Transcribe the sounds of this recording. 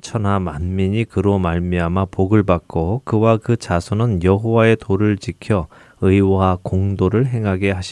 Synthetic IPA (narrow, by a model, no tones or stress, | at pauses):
t͡ɕʰʌnɦamanmiɲikɯɾomaɭmiamapoɡɯɭbak̚k͈okɯwakɯt͡ɕasʰonɯnjʌɦowae̞toɾɯɭt͡ɕikʰjʌ | ɯiwakoŋdoɾɯɭɦe̞ŋɦaɡeɦaɕʰi